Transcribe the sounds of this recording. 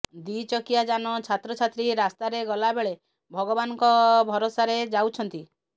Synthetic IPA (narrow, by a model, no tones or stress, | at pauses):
d̪it͡ʃɔkijad͡ʒanɔt͡ʃʰat̪ɾɔt͡ʃʰat̪ɾiɾast̪aɾeɡɔlabeɭe | bʱɔɡɔbanɔŋkɔbʱɔɾosaɾed͡ʒawt͡ʃʰɔnt̪i